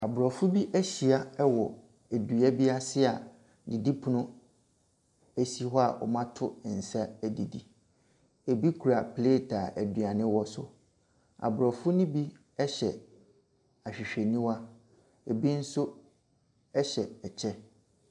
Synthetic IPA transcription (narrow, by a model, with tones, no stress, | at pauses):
a˨bʊ˨ɾɔ˨fʊ˦bi˦ʔæ˦ɕi˨a˦ɛ˦wɔ˨ | æ˨dɥa˦bi˦a˦sɪ˦a˨ | di˨di˦pʰʊ˦nʊ̃˦ | æ˦si˦ɦɔ˦a˨ʔɔ̰˨mã˦tʰʊ˦˨n̩˨sa˦æ˨di˨di˦ | e˨bi˦kʰu˨ɾa˨pʰleː˦˨tʰa˨ʔæ˨dɥa˨nɪ̃˦wɔ˦sʊ˦ | a̰˨bʊ˨ɾɔ˨fʊ˦nĩ˦bi˦ | ɛ˦ɕɛ˨ | a˨ɕᶣi˨ɕᶣe˨nĩ˦wa˦ | e˨bi˦n̩˦sʊ˦ | ɛ˦ɕɛ˨ɛ˨t͡ɕʰɛ˦